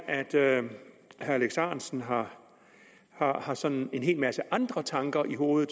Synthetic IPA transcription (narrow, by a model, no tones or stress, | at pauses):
æd̥ | hæɐleɡ̥sɑ̰̈ːnsn̩ɦɑ̈ | hɑ̈hɑ̈sɒ̽nne̝nɦe̝̰ːlmæsəʔɑ̈nd̥ʁɐt͡sʰɑ̈ŋɡ̥ɐʔiɦo̝ːð̩ˠ